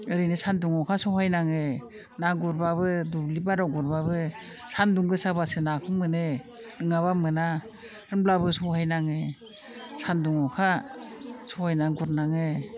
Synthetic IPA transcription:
ɯɾinɯsanduŋɔkʰasɔhajnaŋɯ | naɡuɾbabɯdublibaɾɔɡɔɾbabɯ | sanduŋɡɯsabasɯnakʰɯmɯnɯ | nɯŋaβamɯna | ɯnblabɯsɔhajnaŋɯ | sanduŋɔkʰa | sɔhajnaɡuɾnaŋe

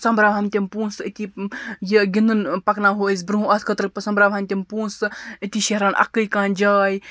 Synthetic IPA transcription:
sɐmbɾaːʋɦɐmt̪ʲimpũːnsət̪ijiɡʲind̪ɨnpɐknaɦoəs̬ʲbɾuɦũɐskʰət̪ɾɨpɐsɐmbɾaːʋɦɐmʲt̪ʲimpuːnsɨət̪ʲiʃeɦɾaːnʔɐ̰kːəjkãːnd͡ʒaːj

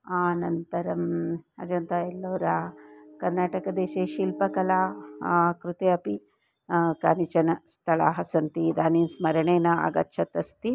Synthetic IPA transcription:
aːnɐnt̪ɐɾɐmɐ̰d͡ʒɐnt̪aelːoːɾaːkɐɾnaːʈɐkɐd̪eːʃeːʃiːlpɐkɐlaː | kɾut̪eːɐpi | kaːnit͡ʃɐnɐst̪ʰɐɭa̰ːɦɐsɐnt̪id̪aːninsmɐɾɐɳeːnɐa̰ɡɐ̰tːʃʰɐt̪ɐst̪i

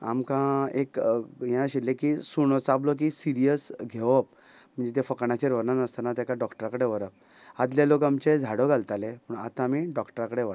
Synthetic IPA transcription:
a̰mkãekjãɕilːẽkisuɽ̃ɔt͡sablɔk̬isiɾijəsɡʱeʋəp̚ | m̤əɳd͡zet̪efəkɳat͡ɕeɾʋəɾnanəst̪ənat̪jakaɖɔkʈəɾakəɽeʋəɾəp̚ | ad̪ljalokamt͡ɕed͡zʱaɽoɡʱalt̪alepəɳa̰t̪ãamiːɖɔkʈəɾakəɽeʋə

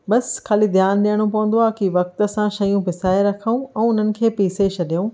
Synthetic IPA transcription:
ɓɐskʰaːlid̪ʱjaːnɗijəɽ̃opɐʋə̃n̆d̪oaːkiʋɐk̚t̪ə̆sãʃɐjũpɪsaːeɾɐkʰaũʔɛ̃ːʊn̤ənɪ̆kʰeːpiːseʃʰɐɗijũː

